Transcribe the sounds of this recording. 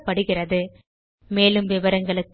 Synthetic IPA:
pːɐɽɯɣɪrɐðɯ | meːlɯmʋɪʋɐɾɐŋɡɐɭɯkː

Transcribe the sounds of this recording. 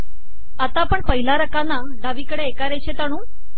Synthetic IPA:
at̪apəɳpəɦilaɾəkana | ɖʱaʋikəɽeekaɾeɕʰet̪aɽ̃ũː

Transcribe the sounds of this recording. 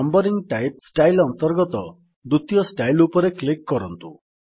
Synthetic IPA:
ɔmbɔɾiŋʈajp̚sʈajlɔnt̪ɔɾɡɔt̪ɔ | d̪ut̪jɔsʈajlupɔɾeklikːɔɾɔnt̪ṵ

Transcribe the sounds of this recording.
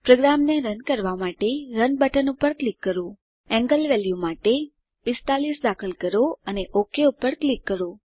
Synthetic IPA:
pɾoɡɾamneɾənkəɾʋamaʈeɾənbəʈənupəɾklikːəɾo | ɛ̃ŋɡəlʋɛljumaʈe | pɪst̪alisd̪akʰəlkəɾoəneʔokʰeupəɾklikːəɾo

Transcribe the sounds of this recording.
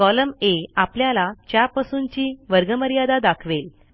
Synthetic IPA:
kɔləmeapljalat͡ɕjapasuːnt͡ɕiːʋəɾɡəməɾjad̪ad̪akʰʋel

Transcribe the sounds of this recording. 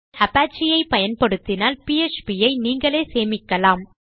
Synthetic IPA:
ɐpaːt͡ʃːɪjɐɪpɐjɐnpɐɽɯt̪ːɪnaːlpiɛt͡ʃpijɐɪniːŋɡɐɭeːseːmɪkːɐlaːm

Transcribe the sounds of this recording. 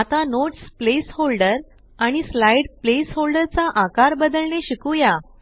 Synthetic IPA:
at̪anoʈsplesholɖəɾ | aɽ̃islajɖplesholɖəɾt͡saʔakaɾbəd̪əlɳeɕikũja

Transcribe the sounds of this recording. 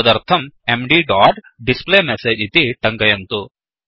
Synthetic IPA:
d̪ɐɾt̪ʰɐmemɖiːɖaːʈ | ɖispleːmeseːd͡ʒit̪iʈɐŋkɐjɐnt̪u

